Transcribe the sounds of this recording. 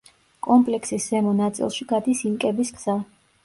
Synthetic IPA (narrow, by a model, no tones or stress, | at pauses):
kʼɔmpʼlɛksisz̥ɛmɔnat̪sʼḭlˠʃiɡad̪isinkʼɛbiskz̥a